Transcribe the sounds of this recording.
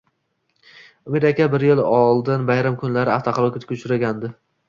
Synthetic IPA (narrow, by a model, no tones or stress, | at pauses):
ʊmɪɾakʲʰabɪɾjɪlɒlˠd̪ɪnbajɾamkʰʊnlaɾɪaft̪ʰɒqʰɑlˠɒkʲat̪ʰkʲʰʊt͡ʃʰʊɾaɡʲand̪ɪ